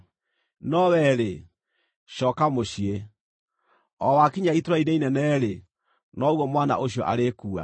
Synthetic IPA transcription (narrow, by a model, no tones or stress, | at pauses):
nɔwɛɾe | ʃɔːkamoɕie | ɔwakiɲaitɾaineinɛnɛɾe | nɔɣɔmwana̰ʔoɕ̬iɔʔa̰ɾekuːa̰